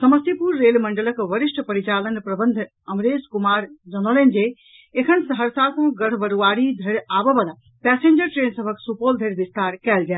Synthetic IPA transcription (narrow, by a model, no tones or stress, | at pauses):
səməst̪ipuɾːelməɳɖələkʋəɾiʃʈʰpəɾit͡ʃalənpɾəbənd̪ʱ | əmɾeskumaɾd͡ʒənolend͡ʒe | ekʰənsəɦəɾsasũɡəɽ̤bəɾuaɾid̪ʱəɾabəbəla | pɛsend͡ʒəɾʈɾensəbʱəksupold̪ʱeɾbist̪aɾkɛld͡ʒɛ